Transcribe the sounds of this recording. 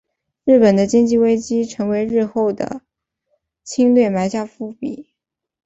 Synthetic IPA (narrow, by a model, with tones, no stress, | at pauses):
ɻɻ̩˥˩pə˨˩nd̪ə˦t͡ɕi˥ŋt͡ɕi˥˧we˥ɪt͡ɕi˥ʈ͡ʂʰɤ˧˥ŋwe˧˥ɪɻɻ̩˥˧xo˥˩ʊd̪ə̰˩ | t͡ɕʰi˥ŋlwe˥˩ɪma˧˥ɪɕja˥˧fu˥˩pi˨˩˦